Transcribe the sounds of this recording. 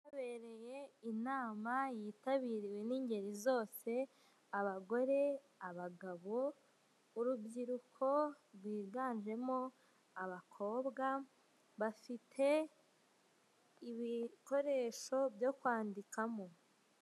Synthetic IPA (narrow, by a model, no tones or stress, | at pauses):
aβe̞ɾe̞je̞inaːmajiːtaβiːɾiwe̞niːɲɟe̞ɾizo̞ːse̞ | aβaɡo̞ɾe̞ | aβaɡaβo̞ | uɾubɟiɾukʰo̞ | ɾɡwiːɡaːnʒe̞mo̞ | aβakʰo̞ːbɡa | βafitʰe̞ | iβiko̞ɾe̞ːʃo̞bjo̞kwaːndikamo̞